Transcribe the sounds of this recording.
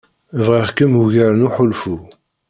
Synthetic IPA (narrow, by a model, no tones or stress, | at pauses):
vʁəχkəmuʝəɾənuħʊlfu